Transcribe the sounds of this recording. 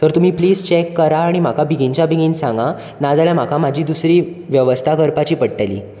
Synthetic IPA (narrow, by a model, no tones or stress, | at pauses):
t̪əɾt̪um̤iːpliːd͡zt͡ɕekːəɾaːɽ̃im̤akabiɡĩɲt͡ɕjabiɡinsãŋɡa | nad͡zaljam̤akʰamad͡ʑʱiːd̪usɾiːʋjəʋəst̪ʰakəɾpat͡ɕiːpəɽʈalḭː